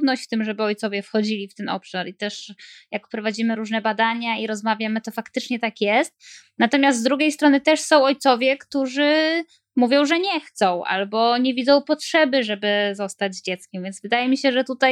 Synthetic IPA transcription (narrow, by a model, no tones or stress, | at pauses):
d̪nɔɕt͡ɕft̪ɘmʐɛbɘɔjt̪sɔvʲjɛfxɔd͡ʑilʲift̪ɛnɔ̰pʂaɾit̪ɛʂjakpɾɔvad͡ʑimɘɾuʐnɛbad̪aɲaiɾɔzmavʲjamɘt̪ɔfakt̪ɘt͡ʂɲɛt̪akjɛst̪̚ | nat̪ɔmʲjast̪ːd̪ɾuɡʲejst̪ɾɔnɘt̪ɛʂsɔ̃w̃ɔjt̪sɔvʲjɛkt̪uʐɘ | muvʲjɔ̃w̃ʐɛɲɛxt̪sɔ̃w̃ʔa̰lbɔɲevʲid̪zɔ̃w̃pɔtʂɛbɘʐɛbɘzɔst̪ad͡ʑzd͡ʑɛt̪skʲɛmvʲjɛnzvɘd̪ajɛmʲiɕɛʐɛt̪ut̪aj